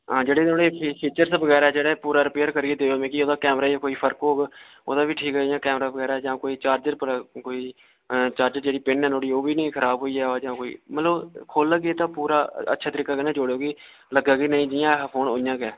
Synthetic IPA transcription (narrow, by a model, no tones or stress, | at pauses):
ɦãːd͡ʒeːɽeːnoːɽeːpipʰiːt͡ʃəɾsbəɣɛːɾaːd͡ʒeːɽɛːpuːɾaːɾɪpeːəɾkəɾiːeːd̪eːoːmẽːkɪoːd̪aːkɛːmɾaːkoːiːpʰəɾkɦoːɡ | o̰ːd̪aːbiːʈʰiːkɦɛːjãːkɛːmɾaːbəɡɛːɾaːd͡ʒãːkoːiːt͡ʃaːɾd͡ʒəɾpəkoːiː | t͡ʃaːɾd͡ʒəɾd͡ʒeːɽiːpɪnɦɛ̃ːnoːɽiːoːbiːnĩːkʰəɾaːbɦoːiːɦɛːd͡ʒãːkoːḭːmət̪ləbkʰoːlːəɡeeːt̪ãːpuːɾaːə̰tːʃʰaːt̪əɾiːkaːkənẽːd͡ʒoɽeoːɡiː | ləɡaːɡiːnəĩːd͡ʒɪjãːpʰoːnɦoːjãːkɛː